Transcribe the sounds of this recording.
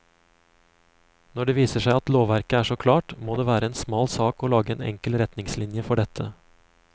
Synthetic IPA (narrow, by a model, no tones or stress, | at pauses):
nɔɖeːʋiːsəʃæɪɑt̪loːʋæɾkəæːʂoːkʰlɑːʈmoːd̪eːʋæːɾəeːnsmɑːlsɑːkoːlɑːɡəeːnɛ̰ŋkəlɾɛt̪nɪŋslɪnjəfɔɖɛt̪ʰə